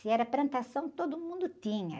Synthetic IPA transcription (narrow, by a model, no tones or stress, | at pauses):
ɪɛɾɐplɐ̃nt̪asɐ̃w̃t̪od̪ʊmũnd̪ʊt̪ĩɲɐ̰